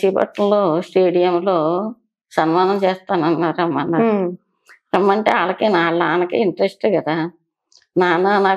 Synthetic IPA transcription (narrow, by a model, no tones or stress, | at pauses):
ibɐ̰ʈɐloːsʈeːɽijɐmloː | sɐnmaːnɐmt͡ʃeːst̪aːnɐnːaːɾuɐmːɐnːaɾ | emːɐɳʈeːaːlɐkeːnaːɭːaːnɐkeːiɳʈɐɾesʈeːɡɐd̪aː | naːnanaː